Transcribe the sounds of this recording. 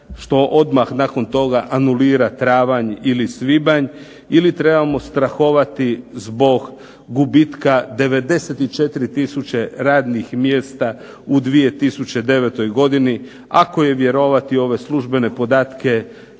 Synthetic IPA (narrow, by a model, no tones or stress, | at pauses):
ʃt̪o̞ʔo̞d̪maxnako̞nt̪o̞ɡaʔanuliːɾat̪ɾaːʋaɲilisʋibaɲ | ilit̪ɾe̞bamo̞st̪ɾaxo̞ʋat̪izbo̞ɡ | ɡubit̪kad̪e̞ʋe̞d̪e̞set̪it͡ʃe̞t̪iɾit̪isut͡ɕe̞ɾaːd̪nixmje̞ːst̪a | ud̪ʋije̞t̪isut͡ɕe̞d̪e̞ʋet̪o̞jɡo̞d̪ini | ako̞je̞ʋje̞ɾo̞ʋat̪io̞ʋe̞slˠuʒbe̞ne̞po̞d̪aːt̪ke̞